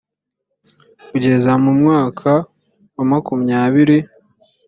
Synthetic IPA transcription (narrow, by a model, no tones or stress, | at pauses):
kuɟe̞zamumŋaːkʰa | wamakumɲaːβiɾi